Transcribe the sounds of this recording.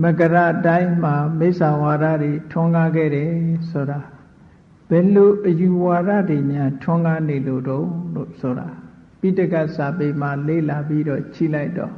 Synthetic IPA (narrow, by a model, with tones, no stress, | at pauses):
mə˨kə˨ɾa̰˦˨ʔtã˦ɪ̃m̥a˨me˦ɪʔsa˨wa˨ɾä̰˦˨dwe˨tʰʊ̃˦ŋɡa˦ɡɛ̰˦˨ɾɛ˨so˨ɾa˨ | b̥ɛ˨lo˨ʔəju˨wa˨ɾä̰˦˨de˨mjã˦tʰʊ̃˦ŋɡa˦ne˨lo˨ɾõ˦lo̰˦˨so˨ɾa̰˨ | pi˦˨tə˦ka˦˨ʔsa˨pe˨m̥a˨lḛ˦˨la˨pi˦ɾɔ̰˦˨t͡ɕʰḭ˦˨la˦ɪtːɔ̰˨